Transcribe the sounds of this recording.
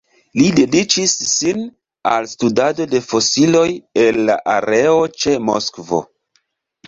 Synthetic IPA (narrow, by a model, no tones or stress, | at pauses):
lide̞dit͡ʃisːin | a̰lstudado̞de̞fo̞silo̞je̞lːa̰ʔaɾe̞ot͡ʃe̞mo̰skvo̞̰